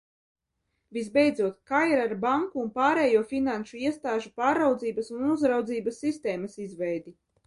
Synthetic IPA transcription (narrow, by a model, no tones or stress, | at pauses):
vizbɛjd̪zuɔt̪kaːiɾaɾbaŋkuːnpaːɾɛːjuɔfinanʃuiɛst̪aːʒupaːɾːawd̪ziːbɐsunuzɾawd̪ziːbɐsːist̪ɛːmɐsizvɛjd̪i